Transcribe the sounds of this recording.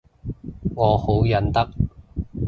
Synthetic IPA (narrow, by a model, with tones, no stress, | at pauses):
ŋɔː˨˧ho˨˥wjɐ˨˥nt̪ɐ˥k̚